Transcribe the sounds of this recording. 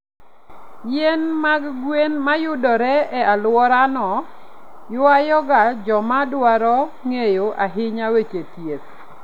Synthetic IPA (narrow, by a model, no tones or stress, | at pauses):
jenmaɡɡwenmajʊdɔɾɛɛalwɔɾanɔ | jʊajɔɡad͡ʒɔmadwaɾɔŋejoʔaɦɪɲawet͡ʃetjes